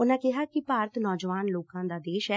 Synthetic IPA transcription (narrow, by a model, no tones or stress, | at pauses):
ʊnãːkɪɦaːkɪpaːɾət̪nɔːd͡ʒəʋaːnloːkãːd̪aːd̪eːʃɛː